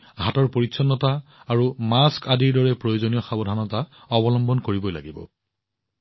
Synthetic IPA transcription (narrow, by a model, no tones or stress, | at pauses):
ɦatɔɹpoɹitsʰɔnːɔtaaɹumaskadiɹdɔɹɛpɹojozonijɔxabɔdʱanɔta | ɔbɔlɔmbɔnkoɹibɔjla̰ɡibɔ̰